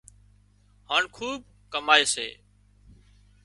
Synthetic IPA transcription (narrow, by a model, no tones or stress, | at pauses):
haːɳkʰuːb̚ | kəmaːeːsḛː